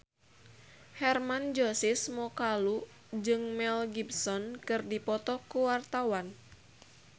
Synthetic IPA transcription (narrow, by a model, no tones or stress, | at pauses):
hɛrmand͡ʒɔsɪsmɔkalu | d͡ʒɨŋmɛlɡibsɔnkɨrdipɔt̪ɔkuwart̪awan